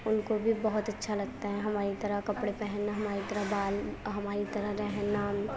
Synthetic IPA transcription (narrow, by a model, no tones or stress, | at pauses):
ʊnkobʱibɐɦʊt̪ɐtːʃʰalɐɡ̚t̪aɦɛɦɐmaːɾit̪ɐɾəɦkɐpɽepɛɦɛnːaɦɐmaːɾit̪ɐɾəɦbaːlɦɐmaːɾit̪ɐɾəɦɾɛɦna